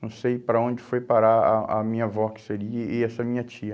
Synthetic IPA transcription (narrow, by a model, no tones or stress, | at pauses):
ɐ̃w̃sejpɾɐõd͡ʒɪfojpaɾaɐʔɐmĩɲɐvɔkɪ̥seɾiɐɪɛsɐmĩɲɐt͡ʃiɐ